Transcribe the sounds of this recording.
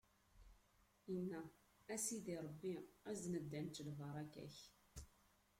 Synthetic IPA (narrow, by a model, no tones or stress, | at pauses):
ənːæ | æsiðiɾˤəbːiæznəd̪ːænt̪lvɑɾˤɑkæ̰ç